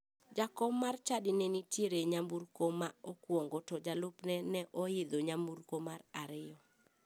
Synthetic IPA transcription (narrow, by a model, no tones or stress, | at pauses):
d͡ʒakɔmːart͡ʃadɪnɛnitjeɾeɲamburkomaokwɔŋɡɔtɔd͡ʒalʊpnɛnɛʔɔɪd̪oɲamburkomaraɾɪjɔ